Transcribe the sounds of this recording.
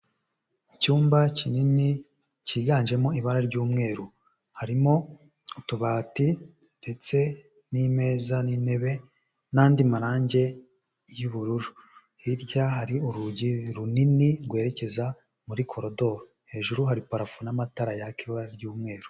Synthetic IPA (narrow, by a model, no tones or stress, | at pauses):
icuːmbacinini | ciːɡaːnʒe̞mo̞iβaɾaɾɟuːmŋe̞ːɾu | haɾimo̞ | utuβaːtinde̞t͡se̞ | nime̞ːzanine̞βe̞ | naːndimaɾaːɲɟe̞ | juβuɾuɾu | hiɾɟaɦaɾiuɾuɟiɾuniniɾɡwe̞ːɾe̞ce̞za | muɾikʰo̞ɾodo̞ɾo | he̞ːʒuɾuɦaɾipaɾafunamataɾajakiβaɾaɾɟuːmŋe̞ːɾu̥